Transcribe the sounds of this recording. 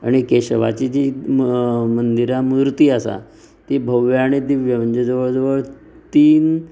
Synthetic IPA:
a̰ɽ̃ikeɕəʋa̰t͡ɕid͡ʑi | mənd̪iɾamud̪ɾt̪iːasa̰ | t̪ibʱəʋjaɽ̃id̪iʋjəʋənd͡ʑəd͡zəʋəɭd͡zəʋəɭ | t̪iːn

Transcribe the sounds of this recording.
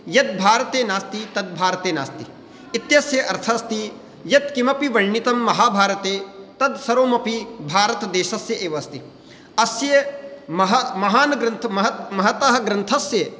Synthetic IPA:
jɐd̪̚bʱaːɾɐt̪eːnaːst̪it̪ɐd̪̚bʱaːɾɐt̪eːna̰ːst̪iː | t̪jɐsjɐʔɐɾt̪ʰɐst̪i | jɐd̪kimɐpiʋɐɭnit̪ɐmːɐɦaːbʱaːɾɐt̪eːt̪ɐd̪sɐɾoːmɐpibʱaːɾɐt̪ɐd̪eːʃɐsjɐʔeːʋɐst̪i | ɐsjɐmɐɦɐmɐɦaːnɐɡɾɐnt̪ʰɐɐɦɐmɐɦɐt̪ɐɦɐ̆ɡɾɐnt̪ʰɐsjɐ

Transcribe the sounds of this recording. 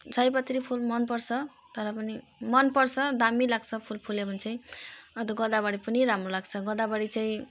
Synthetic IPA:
d͡zajpʌt̪ɾipʰulmʌnpʌrt͡sʰʌ | t̪ʌɾʌpʌni | mʌnpʌrt͡sʰʌd̪amilaɡt͡sʰʌpʰulpʰulebʱʌnt͡sʰʌj̃ʌd̪ʌɡʌd̪abaɽipʌniɾamrolaɡt͡sʰʌɡʌd̪abaɽit͡saĩ

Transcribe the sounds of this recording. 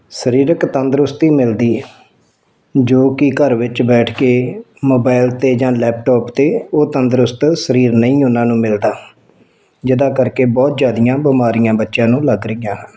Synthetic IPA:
səɾiːɾəkt̪ənd̪ɾʊst̪iːmɪld̪iː | d͡ʒoːkɪkəɾʋɪt͡ʃbɛːʈʰkeː | moːbaːɪlt̪eːd͡ʒãːlɛːp̚ʈɔːpt̪eːoːt̪ənd̪ɾʊst̪səɾiːɾnəĩːʊnãːnũːmɪld̪aː | d͡ʒɪd̪ãːkəɾkeːbɔːt̪zaːd̪ijãːbəmaːɾijãːbətːʃãːnũːləɡɾəijãːɦən

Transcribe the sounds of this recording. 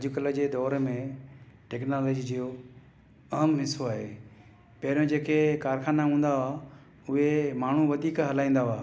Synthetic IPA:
ɐd͡ʑʊkələd͡ʑeːd̪ɔːɾmẽʈeːknaːleːd͡ʑid͡ʑio | ɐɦmnɪsoaːɦeː | pɐɦɪɾjõd͡ʑeːkekaːɾxaːnaɦũːn̆d̪aaː | ʊɦemaːɳ̤uʋɐd̪ʱiːkɦɐlãːĩːn̆d̪aaː

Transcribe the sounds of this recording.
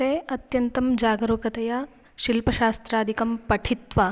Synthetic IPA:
eːɐt̪jɐnt̪ɐmd͡ʒaːɡɐɾoːkɐt̪ɐjɐ | ʃilpɐʃaːst̪ɾaːd̪ʱikɐmpɐʈʰit̪ʋa

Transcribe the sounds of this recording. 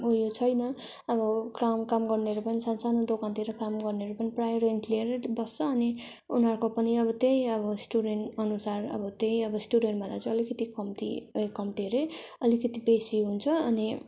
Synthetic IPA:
ujot͡sʰʌjnʌ | ʌbʌkamkamɡʌrneʌɾupʌnisʌnsanod̪okãnt̪iɾʌkamɡʌrneʌɾupʌniprajɾeɳʈlieɾʌbʌst͡sʰʌːni | unɦʌrkopʌniʌbʌt̪ejʌbʌsʈuɽenʈʌnusarʌ̰bʌt̪ejʌbʌsʈuɽeɳʈbʱʌ̃nd̪at͡sʌ̃ʌlikʌt̪ikʌmt̪ḭkʌmt̪iɾeʌlikʌt̪ibesiɦunt͡sʰʌʌni

